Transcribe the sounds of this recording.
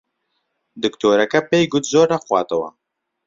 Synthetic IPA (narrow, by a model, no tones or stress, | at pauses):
d̪ɨkt̪oːɾɐkɐpeːjɡʊt̪zoːɾnɐxwaːt̪ɐwɐ̰